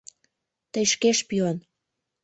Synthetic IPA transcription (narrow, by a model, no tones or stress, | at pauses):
t̪əjʃkeʃpion